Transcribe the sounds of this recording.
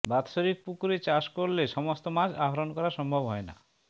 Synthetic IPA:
bat̪ʃoɾik̚pukɾet͡ɕaʃkoɾleʃɔmost̪omad͡ʑaɦɔɾonkɔɾaʃɔmbʱɔbɦɔena̰

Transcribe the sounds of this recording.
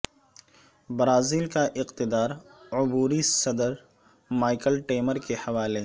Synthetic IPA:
bɾaːziːlkaʔɪqt̪ɪd̪aːɾʊbuːɾisɐd̪əɾ | maːɪkəlʈeːməɾkehɐʋaːle

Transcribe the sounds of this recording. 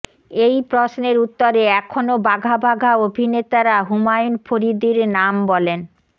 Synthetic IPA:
ejpɾosneɾut̪ːoɾeɛkʰonobaɡʱabʱaɡʱaobʱinet̪aɾaɦumajunfʰoɾid̪iɾnambɔlen

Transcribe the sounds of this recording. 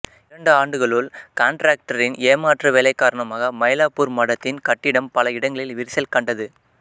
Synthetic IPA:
ɪɾɐɳɖɯaːɳɖɯɣɐɭʊɭkaːɳʈɾaːk̚ʈɐɾɪneːmaːʈrɐʋɛlɐɪkːaːɾɐɳɐmaːɣɐmɐɪlaːpːuɾmɐɽɐt̪ːɪnkɐʈːɪɽɐmpɐlɐɪɽɐŋɡɐɭɪlʋɪɾɪsɐlkɐɳɖɐðɯ

